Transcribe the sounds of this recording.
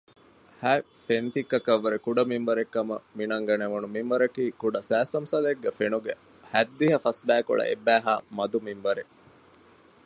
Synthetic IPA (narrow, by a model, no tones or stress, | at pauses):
hæːfent̪ikːɐkɐʋːɐɾekuɖɐmimbɐɾekːɐmɐ̰minɐŋɡɐneʋunumimʋɐɾɐkiːkuɖɐsæːsɐmsɐleɡːæfenuɡe | hæd̪ːiɦɐfɐsbæːko̰ɭɐ̰ʔebːæːɦaːmɐd̪umimbɐɾe